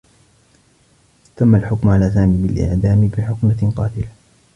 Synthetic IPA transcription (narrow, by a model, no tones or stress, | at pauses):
t̪amːalħʊkmʕalaːs̬aːmiːbɪlʔɪ̰ʕd̪aːmɪbɪħʊkmaqɑ̰ːt̪ɪla